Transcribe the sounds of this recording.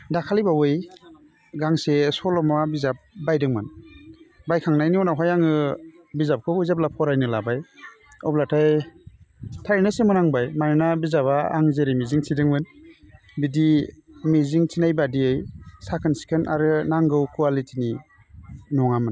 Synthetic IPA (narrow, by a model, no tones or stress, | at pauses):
dakʰalijbawɯj | ɡaŋsesɔlɔmabizap̚bajdɯŋmɯn | bajkʰaŋnajniɔnawɦajaŋɯ | bizap̚kʰɔuzap̚lapʰɔɾajnɯlabaj | ɔplatʰaj | tʰaɾnɯsemɯnaŋbajmaɾnabizaβaa̰ŋzeɾimiziŋsʰidɯŋmɯn | bidimiziŋtʰinajbadiejsakʰɯnsi̥kʰɯnʔa̰ɾɯnaŋɡɯwkualitʰini | nɔŋamɯn